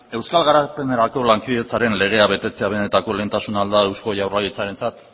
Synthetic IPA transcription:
e̞wskalɣaɾape̞ne̞ɾako̞laŋkiðe̞t͡saɾe̞nle̞ɣ̞e̞aβe̞t̪e̞t͡se̞aβ̞e̞ne̞t̪ako̞le̞ːnt̪asunald̪ae̞wsko̞ʝawrlaɣit͡saɾe̞nt͡sat̪

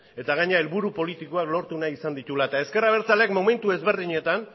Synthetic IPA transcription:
e̞t̪aɣaɲeae̞lβuɾupo̞lit̪iko̞aklo̞ɾt̪unaisand̪it̪ulaet̪ae̞ske̞raβ̞e̞ɾt͡salekmo̞me̞nt̪ue̞zβe̞ɾðiɲe̞t̪an

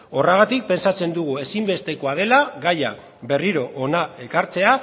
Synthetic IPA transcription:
o̞raɣ̞at̪ik̚pe̞nsat͡se̞nd̪uɣ̞ue̞simbe̞st̪e̞ko̞að̞e̞laɣaja̰ | be̞riɾo̞ʔonae̞kaɾt͡se̞a

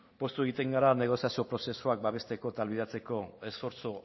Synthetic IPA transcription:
po̞st̪ue̞ɣit̪e̞ŋɡaɾane̞ɣ̞o̞siasio̞pɾo̞se̞suak̚baβe̞st̪e̞ko̞t̪alβiðat͡se̞ko̞e̞sfo̞ɾt͡so

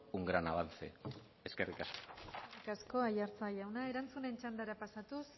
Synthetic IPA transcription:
uŋɡɾanaβant͡sḛ | eskerikasko̥ikasko̞aʎaɾt͡saʎawnae̞ɾant͡sune̞nt͡ʃand̪aɾapasat̪us

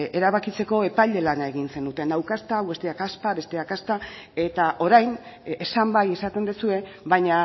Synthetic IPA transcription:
e̞ɾaβakit͡se̞ko̞e̞pajʎe̞lanaeɣinse̞nd̪ut̪e̞nawkast̪awβe̞st̪eakaspaβe̞st̪eakast̪a | e̞t̪aʔo̞ɾajnesambaje̞sat̪e̞nd̪esue̞βajɲa

